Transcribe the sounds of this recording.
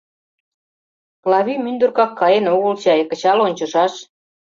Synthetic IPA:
klɑβimynd̪urkɑkʰːɑjenoɣəlt͡ɕɑjəkə̆t͡ɕɑlonʲt͡ɕŏʃɑʃ

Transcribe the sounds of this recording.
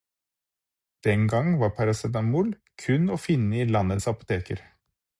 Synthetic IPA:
d̪̥ɛŋɡɑŋʋɑːɾpʰɑɾɑsɛd̪ɑmʊl | kʰʉnoːfɪnːəiːlɑnət̪sɑpʊ̥t̪ʰeːkəɾ

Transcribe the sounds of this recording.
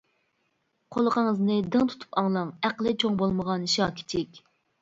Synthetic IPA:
qʰolˠəqəŋəznɨd̪ɨŋt̪ʰu̥t̪ʰu̥pɑŋlˠɑŋæqlˠɨt͡ʃʰoŋbolˠməʁɑnʃɑːkʲʰi̥t͡ʃ̪ʰɪkʲ

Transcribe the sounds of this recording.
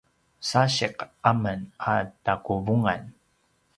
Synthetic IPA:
saɕiqamənatakuvuŋan

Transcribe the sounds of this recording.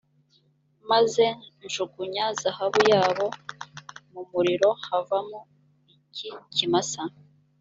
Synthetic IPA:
maze̞nʒuɡuɲazahaβujaːβo̞ | mumuɾiɾo̞havamo | icicimasa

